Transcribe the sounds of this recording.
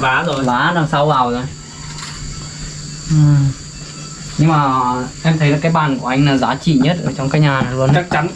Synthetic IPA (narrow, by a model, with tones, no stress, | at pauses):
vaː˨˦zo˨˩jzaː˨˦laː˨˩ŋsa˧wvaː˨˩wzo˨˩j | ʔɨ˨˩ | ɲɨ˧ŋmaː˨˩ʔɛ˧mt̪ʰə˨˦jla˨˩kaː˨˦jɓaː˨˩nku˧˩ʔa˧jŋ̟naː˨˩zaː˨˦t͡ɕḭ˧˨ɲə˦˥t̚zoː˨˩t͡ɕɔ˧wŋ͡mkaː˨˦˥k̚ɲaː˨˩a˨˩lu˧ənt͡ɕaə˦˥k̚t͡ɕa˨˦n